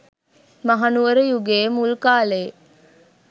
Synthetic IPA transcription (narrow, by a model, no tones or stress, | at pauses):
mɐɦɐnuʋəɾəjuɡeːmulkaːleː